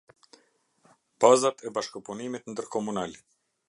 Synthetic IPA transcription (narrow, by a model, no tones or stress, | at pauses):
b̥azat̪ɛbaʃkɔpunimit̪nd̪əɾkɔmunal